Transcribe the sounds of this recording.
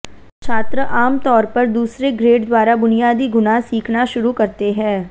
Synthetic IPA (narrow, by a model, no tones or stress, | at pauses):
t͡ʃʰaːt̪ɾəʔaːmt̪ɔːɾpɐɾd̪uːsɾeɡɾeːɖd̪waːɾabʊnijaːd̪iɡʊnasiːkʰnaʃʊɾukɐɾt̪eɦɛ̃ː